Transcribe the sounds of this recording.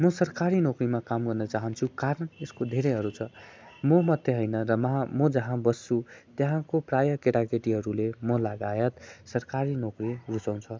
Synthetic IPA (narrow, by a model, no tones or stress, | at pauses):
mʌsʌrkaɾinokrimakamɡʌrnʌt͡saɦʌnt͡sʰukaɾʌneskod̪ʱeɾeɦʌɾut͡sʰʌmʌmʌt̪ːjeɦʌjnʌɾʌmʌɦãmʌd͡zʌɦãbʌsːut̪jeɦãkoprajʌkeʈakeʈiɦʌɾulemʌlaɡajʌt̪sʌrkaɾinokrirut͡saw̃t͡sʰʌ